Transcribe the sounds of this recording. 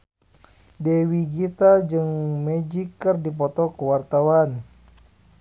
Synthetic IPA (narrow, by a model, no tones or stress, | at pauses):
dɛwiɡit̪ad͡ʒɨŋmɛd͡ʒikːɨrdip̬ɔt̪ɔkəwart̪awan